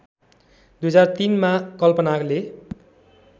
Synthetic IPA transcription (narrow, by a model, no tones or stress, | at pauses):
d̪ujʌd͡zart̪inmakʌlpʌnakle